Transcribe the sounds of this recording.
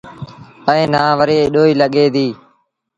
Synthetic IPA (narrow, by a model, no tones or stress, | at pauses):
ə̃ːnãːʋəɾeːɗoːiːləɠeːd̪iː